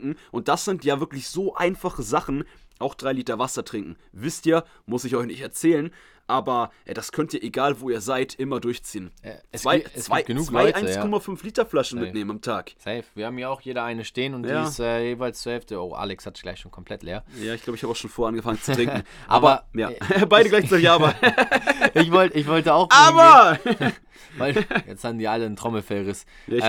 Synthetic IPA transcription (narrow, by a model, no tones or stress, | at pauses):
kŋ̩ʔʊnt̚d̥asz̥ɪntjaːvɪɐklɪçz̥oːʔa̰ɪnfaχəzaχn̩ʔaʊxd̥ʁaɪliːtɐvasɐtʁ̥ɪŋkŋ̩ | vɪstʔiːɐ | mʊsɪçɔʏçnɪçtɛɐt͡sɛːlən | ʔaːbɐʔɛd̥askʰœntiːɐeɡaːlvoːiːɐzaɪtʔɪmɐdʊɐçt͡siːənt͡svaɪt͡svaɪɡ̥ənuːkaɪʔaɪskʰɔmafʏnfliːtɐflaʃn̩mɪneːmənamtʰaːksɛɪfv̥iːɐhaːbm̩jiːɐaʊxjeːɾɐaɪnəʃteːənʊntj̥aaːɪstʔɛːjeːvaɪlst͡suɐhɛlftəo̰ːʔa̰ːlɛkshatɡ̥la̰ɪçʃoːnkʰɔmpʰl̥ɛtleːɐjaːɪçɡlaʊbəɪçhabaʊʃoːnfoːɐanɡəfaŋənt͡sutʁ̥ɪŋŋ̩ | ʔaːbɐjaːbaɪɾəɡlaɪt͡saɪtɪçʔaːbɐ | ʔɪçvɔltɪçvɔltəaʊxaːbɐ | vaɪjɛt͡shaːbm̩diːɐʔaləntʁ̥ɔml̩fɛlʁɪs | jaːɪ